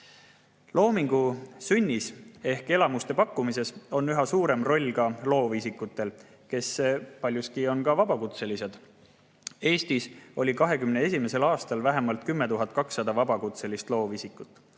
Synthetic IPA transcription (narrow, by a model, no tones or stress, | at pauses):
lo̞ːmiŋɡ̥usynʲːise̞hke̞lɑmust̪e̞pɑkːumise̞so̞nyɦɑsuːɾe̞mro̞lʲːkɑlo̞ːvisikːˑut̪ːˑe̞l | ke̞spɑlʲjuskio̞nkɑvɑb̥ɑkut̪se̞lise̞d̪̥ | e̞ːst̪iso̞lʲikɑɦe̞kymnee̞sʲime̞se̞lɑːst̪ɑlvæɦemɑlt̪̚kymːe̞t̪uɦɑt̪̚ˑkɑksːɑd̪̥ɑvɑbɑkut̪se̞list̪lo̞ːvisikːˑut̪ːˑ